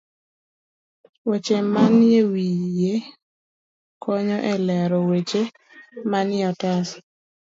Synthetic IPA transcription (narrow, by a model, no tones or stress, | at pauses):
wet͡ʃemanewije | kʰɔɲɔʔɛlɛɾɔwet͡ʃe | manɪɔtas